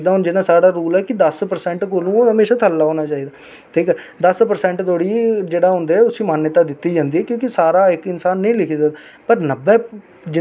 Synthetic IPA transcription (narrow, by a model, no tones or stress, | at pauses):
d̪aːɦʊnd͡ʒɪnaːsaːɽaːɾuːlɛːkɪd̪əspəɾsɛ̃ːɳʈkoːlũːɦəmeːʃaːt̪ʰəlːaːɦoːnaːt͡ʃaːiːd̪aː | t̪ʰiːkɛ | d̪əspəɾsɛ̃ːɳʈt̪oːɽiːd͡ʒeːɽaːɦʊ̃ːnd̪eːɛːʊsĩːmaːnːət̪aːd̪ɪt̪ːiːd͡ʒãːnd̪iːɦɛːkjõːkɪsaːɾaːɪkɪnsaːnːəĩːlɪkʰiːzaːd̪aː | pəɾnəbːɛː | d͡ʒɪ